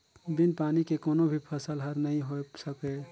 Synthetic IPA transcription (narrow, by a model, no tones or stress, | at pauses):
binpaːnikekoːnobʱipʰəsəlɦəɾnəĩɦosəke